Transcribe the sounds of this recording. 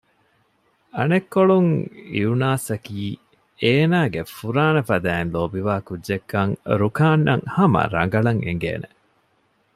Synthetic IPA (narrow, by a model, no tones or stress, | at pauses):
ɐnekːoɭuŋḭunaːsɐkiː | eːnaːɡefuɾaːnɐfɐd̪æːnloːbiʋaːkudʒekːɐŋɾukaːnːɐŋhɐmɐ̰ɾɐŋ̆ɡɐɭɐŋḛŋɡḛːne